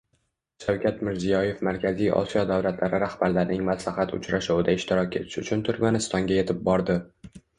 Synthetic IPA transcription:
ʃawkʲʰat̪mɪɾzijɒje̞fmaɾkʲʰazijʔɒ̰sijɒd̪awlat̪ʰlaɾɪɾahbaɾlaɾɪnɪŋmaslahat̪ʰʊ̰t͡ʃɾaʃuwɪd̪aɪʃt̪ʰɪɾɒkʲe̞t̪ʰɪ̥ʃʊ̰t͡ʃʰʊnt̪ʰʊɾmanɪst̪ɒŋɡʲaje̞t̪ʰɪp̚bɒɾd̪ɪ

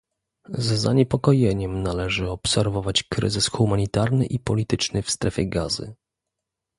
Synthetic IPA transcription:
zːaɲɛpɔkɔjɛɲɛmnalɛʐɘɔpsɛɾvɔvat͡ɕkɾɘ̰zɘsxumaɲit̪aɾnɘ̰ʔipɔlʲit̪ɘt͡ʂnɘfst̪ɾɛfʲɛɡazɘ̰

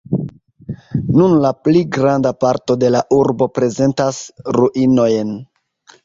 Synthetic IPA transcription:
nunlapliɡɾandapaɾto̞de̞laʔuɾbo̞pɾe̞ze̞ntasɾuʔino̞jen

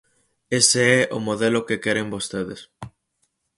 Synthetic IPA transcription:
eseɛʔomoðelokekɛɾembost̪eðes

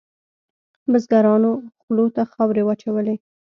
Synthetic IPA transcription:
bəzɡaɾɑnoxlot̪axɑwɾewat͡ʃawəle

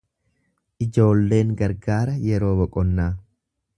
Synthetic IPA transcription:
ʔɪd͡ʒo̞ːlːe̞ːŋɡɐɾɡaːɾɐjɛɾo̞ːbɔkʼɔnːaː

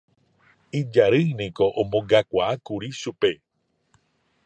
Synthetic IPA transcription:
id͡ʒaɾɨnĩkoʔõmbõŋɡakʷaakuɾiʃupe

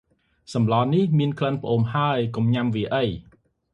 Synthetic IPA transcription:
sɑmlɑːnihmiənkʰlənpə̆ʔoːmhaəjkumɲamʋiəʔəj

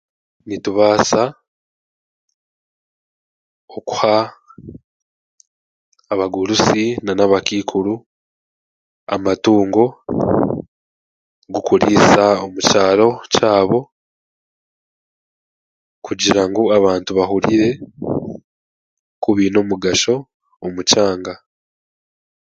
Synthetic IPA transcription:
nituβaːsa | oku̥ha | βaɡuɾusinanaβakiːkʰuɾu | a̰matuːŋɡo̞ | ɡukuɾiːsaomucaːɾo̞caːβo̞ | kuɟiɾaŋɡoaβaːntuβaɦuɾiɾe̞ | kuβino̞muɡaʃo̞ː | mucaːŋɡa

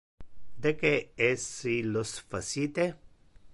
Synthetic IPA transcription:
d̪ekeesilosfasit̪e

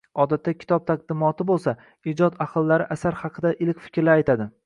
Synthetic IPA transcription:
ɒd̪at̪ːakʲʰɪ̥t̪ʰɒb̚t̪ʰaq̚d̪ɪmɒt̪ʰɪbolˠsa | ɪd͡ʒɒd̪aqʰɨlˠːaɾɪʔasaɾhɑqʰɨd̪aʔɪlkʲfɪ̥kʲɾlaajt̪ʰad̪ɪ

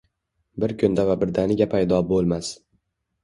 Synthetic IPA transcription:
bɪɾkʰʲʊnd̪avabɪɾd̪anɪɡʲapʰajd̪ɒbolˠmas

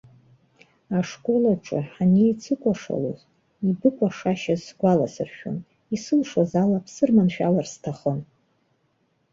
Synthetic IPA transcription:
aʂkʷʼo̞laʈ͡ʂʼɨ̰ħanijt͡sʰɨkʷʼaʂa̰lo̰z | ibɨkʷʼaʂaʃazsɡʷalasɨrʃᶣo̰n | isɨlʂwazalapʰsɨrmanʃᶣalarstʰaχən

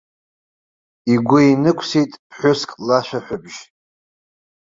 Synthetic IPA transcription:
iɡʷʊinɨkʷʰsitʼpʰħʷᶣʊskʼlaʃʷᶣaħʷᶣʊbʒ̥

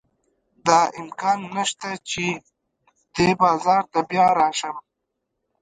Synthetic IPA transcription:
d̪ɑɪmkɑːnːaʃt̪at͡ʃe | d̪̥ebɑːzɑːɾt̪abjɑːɾɑːʃəm

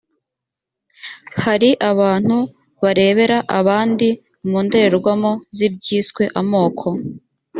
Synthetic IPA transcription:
haɾiʔaβaːn̥hu | βaɾe̞ːβe̞ɾaʔaβaːndi | muːnde̞ɾeɾɡwamozib̚ɟiːskwe̞ʔamo̞ːkʰo̞

